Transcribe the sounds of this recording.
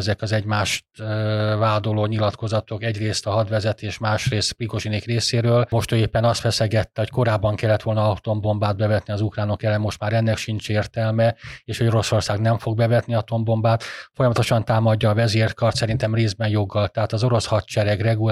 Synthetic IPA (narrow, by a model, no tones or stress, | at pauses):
ɛzɛkɒzɛɟmaːʃt̪vaːd̪oloːɲilɒt̪ko̞zɒt̪o̞kɛɟreːst̪ɒɦɒd̪ʋɛzɛt̪eːʃmaːʃreːst̪pɾiko̞ʒinekreːseːɾøːlmo̞ʃt̪øeːpːɛnɒst̪fɛsɛɡɛt̪ːɛɦocko̞ɾaːbːɒŋkɛlːɛt̪ʋo̞lnɒt̪o̞mbo̞mbaːd̪̚bɛvɛt̪niɒzukraːno̞kɛlɛmːo̞ʃt̪maːɾɛnːɛkʃint͡ʃeːrt̪ɛlmɛeːʃhoɟo̞ɾo̞so̞rsaːɡnɛɱfo̞ɡ̚bɛvɛt̪niɒt̪o̞mbo̞mbaːt̪fo̞jɒmɒt̪o̞ʃɒnt̪aːmɒɟːɒːvɛzeːrt̪kɒrt̪sɛɾint̪ɛmreːzbɛnjo̞ɡːɒlt̪ɛɦaːt̪ɒzo̞ɾo̞shɒt̪t͡ʃɛɾɛɡrɛɡul